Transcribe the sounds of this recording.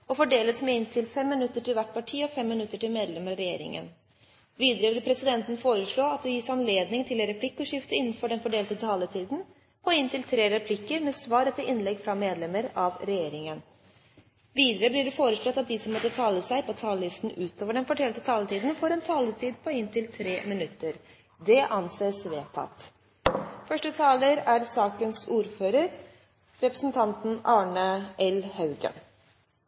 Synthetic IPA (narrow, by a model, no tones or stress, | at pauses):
ɔfɔɖeːlət̪mɛɪnt̪ʰɪlfɛmːɪnʉt̪ːəʈʰɪlʋæʈːpɑʈʰiːɔfɛmːɪnʉt̪ːəʈɪlmeːd̪lɛməɾɾɛjḛːɾɪ̰ŋə̰n | ʋiːd̪əɾəblɪpʰɾɛsɪd̪ɛnt̪ən̩foːɾəʂɭoːɑt̪̚d̪ɛjɪsɑnleːd̪nɪŋt̪ʰɪlɛɾɛpʰlɪkːɔʂɪft̪əɪnːənfɔɖɛnfɔɖeːlt̪ət̪ʰɑːlət̪ʰiːd̪n̩ | pʰɔɪnt̪ʰɪlt̪ʰɾeːɾɛpʰlɪkːəɾmɛsʋɑːɾət̪ʰɪlʔɪnlɛɡfɾɑmeːd̪lɛməɾɑʋɾɛjeːɾɪŋən | ʋiːd̪əɾəblɪɖɛfoːɾəʂlɔt̪ːɑt̪̚d̪ɪsɔmːɔt̪ːət̪ʰɑːləsæɪpʰɔt̪ʰɑːləlɪst̪n̩ʉːt̪ʰoːʋəɖɛnfɔʈʰɛlt̪ət̪ʰɑːlət̪ʰiːd̪ən̩fɔɾɛnt̪ʰɑːləʈiːd̪̚pʰɔɪnt̪ʰɪlt̪ʰɾeːmɪnʉt̪ːəɾ | d̪ɛʔɑnseːsʋeːt̪ʰɑ̰t̪ | fœʂʈət̪ʰɑːləɾæɾsɑːkənsuːɾføːɾəɾ | ɾɛpɾəsn̩t̪ʰɑnt̪n̩ʔɑːɳəʔɛlhɑʉɡə̰n